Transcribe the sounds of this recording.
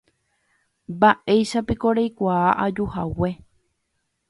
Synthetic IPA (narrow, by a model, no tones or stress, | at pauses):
baʔe̞jʃapikoɾejkʷaaʔad͡ʒuhawe